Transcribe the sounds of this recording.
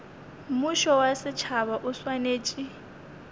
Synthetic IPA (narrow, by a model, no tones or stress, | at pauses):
mʊʃɔwasɪt͡ʃʰaβaʔʊswaneːt͡ʃʼi